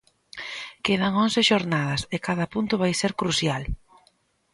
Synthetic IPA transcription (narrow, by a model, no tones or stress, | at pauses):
keð̞ɐŋonseʃoɾnað̞ɐsekaðɐpunt̪ʊβajseɾkɾusjal